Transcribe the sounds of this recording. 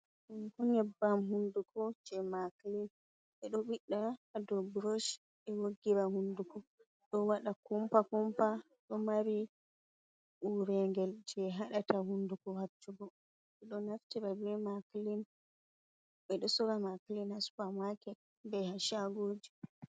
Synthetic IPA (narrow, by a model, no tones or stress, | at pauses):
ɗumkɔɲɛbːamhundukʰɔd͡ʒɛmaklin | ɓɛɗɔɓiɗːaːdɔbɾɔʃ | ɛwoɡːiɾahundukɔ | ɗɔwaɗakɔmpakɔmpa | ɗɔmaɾi | uɾɛŋɡɛld͡ʒɛɦaɗatahundukɔhat͡ʃːuɡɔ | ɓɛɗɔnaftiɾabɛmaklin | ɓɛɗɔsɔɾamaklinhasu̥pamakɛ | bɛhaʃaɡod͡ʒi